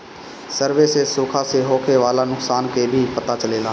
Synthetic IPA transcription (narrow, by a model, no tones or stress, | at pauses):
səɾʋeːsesʊːkʰaseɦoːkʰeʋaːlanʊksaːnkebʱipɐt̪at͡ʃəleːlaː